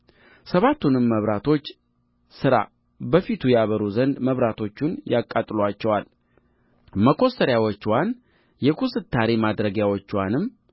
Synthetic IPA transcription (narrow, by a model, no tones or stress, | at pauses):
səβat̪ʰːunɨmːəβɾat̪ʰo̞t͡ʃː | sɨɾa̰ | bəfit̪ʰujɛaβəɾuzənd̪məβɾat̪ʰo̞t͡ʃːunjakʼːat̪ʼlwat͡ʃːɛwal | məkʰo̞səɾjawot͡ʃːwan | jɛkʰusɨt̪ʰːaɾemad̪ɾəɡjawot͡ʃːwanɨmː